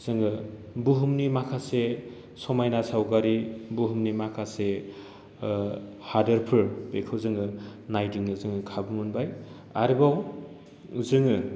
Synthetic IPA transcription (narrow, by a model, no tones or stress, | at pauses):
z̥ɯŋɯ | buɦumnimakʰase | sɔmajnasawkaɾibuɦumnimakʰase | hadɐɾpʰɯɾbekʰɯwzɯŋɯnajdiŋɯzɯŋɯkʰabɯmɯnbaj | aɾibaw | zɯŋɯ